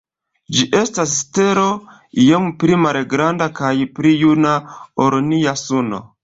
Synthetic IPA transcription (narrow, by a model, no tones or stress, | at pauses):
d͡ʒiʔe̞stasste̞ɾo̞ | jompɾimalɡɾandakajpɾijunaoɾoniasuno̞̰